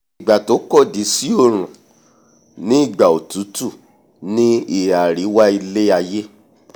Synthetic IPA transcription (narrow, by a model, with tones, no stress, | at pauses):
i˨ɡ͡ba˨to˨˦kɔ˦˨di˨˦si˦o˦˨ɾ̃ũ˨ | nĩ˦i˦˨ɡ͡ba˨o˨tu˨˦tu˦˨ | nĩ˦i˨a˨ɾi˨˦wa˦i˧le˦a˧je˦